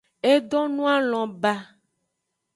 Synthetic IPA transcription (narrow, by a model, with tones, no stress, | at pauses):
e˦ɖɔ˦nũ˦a˦lɔ̃˨ba˦